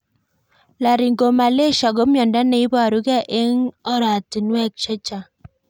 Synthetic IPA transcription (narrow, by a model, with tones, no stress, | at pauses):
la˨ɾi˨ŋɡo˨ma˨le˦˨ʃa˨ɡo˨˦mjɔ˨nda˦ne˨i˦bɾu˦ɡɛ˦ʔe˦ŋɔ˦ɾa˨ti˨nwɛ˦k̚t͡ʃɛ˦t͡ʃa˨